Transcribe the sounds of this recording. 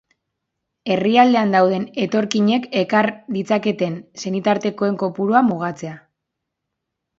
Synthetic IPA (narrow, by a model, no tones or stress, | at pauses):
e̞riald̪e̞and̪awð̞e̞ne̞t̪o̞ɾkiɲe̞ke̞kaɾd̪it͡sake̞t̪e̞nse̞nit̪aɾt̪e̞ko̞e̞ŋko̞puɾoamuɣ̞at͡se̞a